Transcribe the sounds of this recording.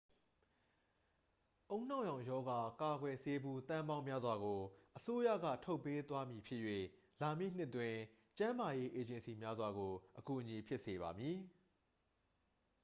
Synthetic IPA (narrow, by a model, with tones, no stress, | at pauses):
ʔõ˦ʊ̃n̥ã˦˨jã˨ʊ̃jɔ˦ɡa˨ka˨ɡwɛ˨se˦bu˦t̪ã˦mbã˦ʊ̃mja˦zwa˨ɡo˨ʔəso˦ja̰˦˨ɡä̰˦˨tʰo˦ʊpːe˦t̪wa˦mji˨pʰjɪ˦ʔjwḛ˦˨ | la˨mjḭ˦˨n̥ɪ˦ʔtwɪ̃˨ | t͡ɕã˦ma˨je˦ʔe˨d͡ʑɪ̃˨nsi˨mja˦zwa˨ɡo˨ʔəku˨ʔəɲi˨pʰjɪ˦ʔse˨βa˨mji˨